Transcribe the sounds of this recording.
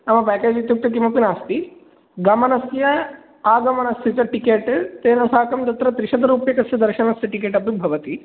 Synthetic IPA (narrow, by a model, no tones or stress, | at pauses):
ɐmɐbajkaːd͡ʒit̪juk̚t̪ɐkimɐpinaːst̪i | ɡɐmɐnɐst̪ijɐ | aːɡɐmɐnɐst̪ʰit͡sɐʈikeːʈt̪eːnɐsaːkɐmd̪ɐt̪ɾɐt̪ɾiʃɐd̪ɐɾuːpjɐkɐsɐd̪ɐɾʃɐnɐst̪iʈikeːʈɐp̬ibʱɐʋɐt̪i